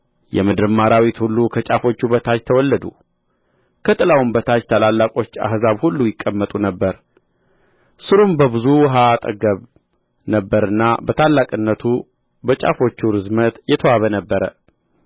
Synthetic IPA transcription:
jɛ̰mɨd̪ɨɾmaɾawit̪hulːukʰət͡ʃʼafo̞t͡ʃːubət̪ʰat͡ʃt̪ʰəwɔlːəd̪u | kʰət̪ʼɨlawumbət̪ʰat͡ʃt̪ʰalalːakʼo̞t͡ʃːa̰hzaβhulːujɪkʼːəmːət̪ʼunəbːəɾ | sɨɾumbəβɨzuwɦaːt̪ʼə̰ɡəβ | nəbːəɾɨnːabət̪ʰalːakʼɨnːət̪ʰu | bət͡ʃʼa̰fo̞t͡ʃːuɾɨzmət̪jɛt̪ʰəwaβənəbːəɾə

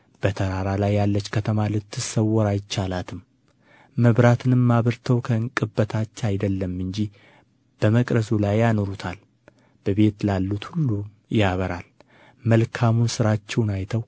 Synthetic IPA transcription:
b̥ət̪ʰəɾaɾalajːalːət͡ʃːkʰət̪ʰəmalɨt̪ʰːɨsəwːɔɾajɪt͡ʃːalat̪ʰɨm | məβɾat̪ʰɨnɨmːaβɨɾt̪ʰəwkʰəɨŋkʼɨbːət̪ʰat͡ʃːajd̪əlːəmːɨɲd͡ʒi | b̥əməkʼɾəsulajːanoɾut̪ʰal | b̥əβe̞t̪lalːut̪hulːu | jaβəɾal | məlkʰamunsɨɾat͡ʃːɛwnajt̪ʰəw

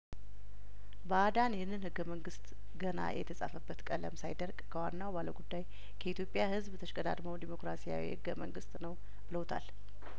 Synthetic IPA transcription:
bəad̪anjɛhɨnːɨnhɨɡːəməŋɡɨst̪ | ɡəna̰jɛ̰t̪ʰəsʼa̰fəbːət̪kʼələ̰msajd̪əɾɡkʰəwanːawbaləwɡud̪ːaj | kʰəit̪jo̞pʼːjahɨzbt̪ʰəʃkʼəd̪a̰d̪məwd̪imo̞kɾasija̰wḭhɨɡːəmə̰ŋɡɨst̪ʼnəw | b̥ɨləwt̪ʰa̰l

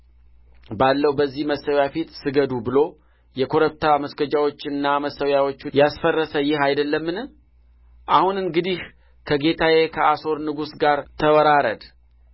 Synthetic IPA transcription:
balːəwbəzːihməsːəwjafit̪sɨɡəd̪ubɨlo̞ | jɛkʰo̞ɾəp̚t̪ʰaməsɡəd͡ʒawo̞t͡ʃːɨnːaməsəwjawo̞t͡ʃːjasfərːəsəjɪhajd̪əlːəmːɨn | ʔahunɨŋɡɨd̪ih | kʰəɡe̞t̪ʰajekʰəʔaso̞ɾnɨɡusɡaɾt̪ʰəwəɾaɾəd̪

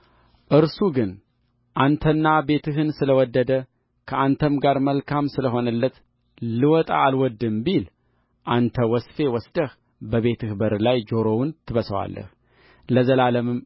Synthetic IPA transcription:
ʔɨɾsuɡɨn | ʔant̪ʰənːabe̞t̪ʰɨɦɨnsɨləwɔd̪ːəd̪ə | kʰəant̪ʰəmɡaɾməlkʰamsɨləɦo̞nəlːət̪ | lɨwɔt̪ʼa̰ːlwɔd̪ːɨmbil | ʔant̪ʰəwɔsfe̞wɔsd̪əh | bəβe̞t̪ʰɨhbəɾlajd͡ʒo̞ɾownt̪ʰɨβəsəwa̰lːə̰h | ləzəlaləmɨm

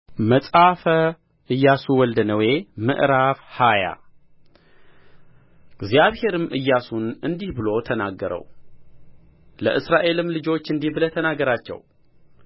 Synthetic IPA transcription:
məsʼafə | ʔɨjːasuwɔld̪ənəwe̞mɨ̰ʔɾafhaja̰ | ɡzijaβhe̞ɾɨmʔɨjːasunɨnd̪ihbɨlo̞t̪ʰənaɡːəɾə̰w | lə̰ʔɨsɾaʔe̞lɨmlɨd͡ʒo̞t͡ʃːɨnd̪ihbɨlət̪ʰənaɡəɾat͡ʃːɛ̰w

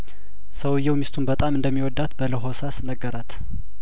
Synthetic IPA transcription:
səwjːɛwmist̪ʰunbət̪ʼamɨnd̪əmːiwɔd̪ːat̪bələɦo̞sasnəɡːəɾat̪

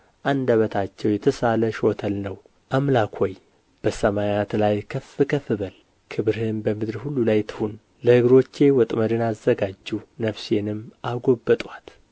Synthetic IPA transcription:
ʔand̪aβət̪ʰat͡ʃːɛwjɛt̪ʰəsaləʃo̞t̪ʰəlnəw | ʔamlakʰoj | b̥əsəmajat̪lajkʰəfːɨkʰəfɨβəl | kʰɨβɾhɨnbəmɨd̪ɾhulːulajt̪ʰɨ̥hun | ləhɨɡɾo̞t͡ʃːe̞wɔt̪ʼməɾɨnazːəɡad͡ʒːunəfsenɨmʔaɡo̞bːət̪ʼwat̪

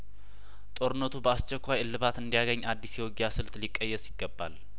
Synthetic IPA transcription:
t̪ʼo̞ɾɨnːət̪ʰubəast͡ʃːɛkʷːajɨlːɨβat̪ɨnd̪ijaɡəɲːad̪ːisjɛwoɡjasɨlt̪likʼːəjːɛsɪɡːəbːa̰l

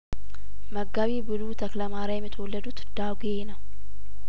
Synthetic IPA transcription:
məɡːaβibɨzut̪ʰəkləmaɾajɛmːɪt̪ʰəwɔlːəd̪ut̪d̪̥aɡenəw

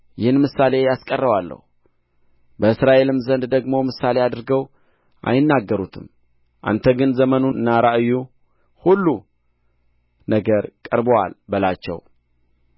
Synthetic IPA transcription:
jɪhɨnmɨsːale̞jaskʼərːəwalːə̰hu | bəɨsɾaʔe̞lɨmzənd̪d̪əɡmo̞mɨsale̞ad̪ɾɨɡəw | ʔa̰jɪnːaɡːəɾut̪ʰɨm | ʔa̰nt̪ʰəɡɨnzəmənunːaɾaʔɨjːu | hulːu | nəɡəɾkʼəɾbəwa̰lbəlat͡ʃːɛ̰w

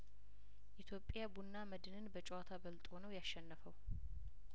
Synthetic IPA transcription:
ʔit̪ʰjo̞pʼːjabunːaməd̪ɨnɨnbət͡ʃʼwat̪ʰabəlt̪ʼonəwjaʃːɛnːəfəw

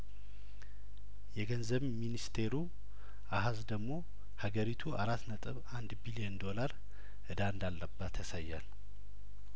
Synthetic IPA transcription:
jɛɡənzəβminist̪ʰe̞ɾu | ʔaɦazd̪əɡmo̞ | haɡəɾit̪ʰuʔaɾat̪ːnət̪ʼɨβand̪bilijənd̪o̞laɾ | ʔɨd̪and̪alːəbːat̪ʰːəsajːa̰l

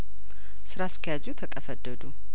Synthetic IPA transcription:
sɨɾaskʰəjad͡ʒut̪ʰəkʼəfəd̪ːəd̪u

